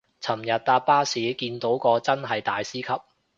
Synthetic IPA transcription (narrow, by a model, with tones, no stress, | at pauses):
t͡sʰɐ˨˩mjɐ˨t̚t̪aː˧t̚paː˥siː˨˥kiː˧nt̪o˨˥wkɔː˧t͡sɐ˥nɦɐ˨jt̪aː˨˧jsiː˥kʰɐ˨p̚